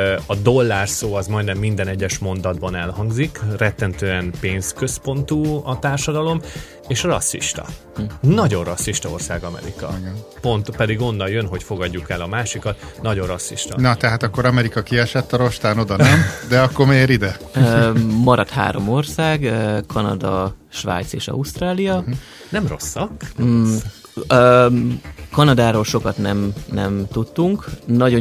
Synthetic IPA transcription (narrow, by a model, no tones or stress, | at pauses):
ɒd̪o̞lːaːrsoːɒzmɒjd̪nɛmːind̪ɛnɛɟːɛʃmo̞nd̪ɒd̪bɒnɛlhɒŋɡzikrɛt̪ːɛnt̪øːɛnpeːnzkø̞spo̞nt̪uɒt̪aːrʃɒd̪ɒlo̞m | eːʃɒrɒ̰sːḭʃt̪ɒ̰ | nɒɟo̞rrɒsːiʃt̪ɒo̞̰rsaːɡɒmɛ̰ɾḭkɒ̰iɡɛnpo̞nt̪pɛd̪iɡo̞nːɒjønɦo̞cfo̞ɡɒɟːukɛlɒmaːʃikɒt̪nɒɟo̞rɒsːiʃt̪ɒ̰nɒt̪ɛɦat̪ɒkːoɾɒmɛɾikɒkiɛʃɛt̪ːɒɾo̞ʃt̪aːnod̪ɒnɛmd̪ɛɒkːoɾmeːɾid̪ɛøːɒɾɒt̪ha̰ːɾo̞mo̞rsaːɡkʰɒnɒ̰d̪ɒ̰ | ʃʋa̰ːjt̪seːʃɒ̰ust̪raːlijɒ | nɛmro̞̰sːɒkː | ø | kɒnɒd̪aːɾoːlʃo̞kɒt̪nɛmnɛmt̪ut̪ːuŋknɒɟo̞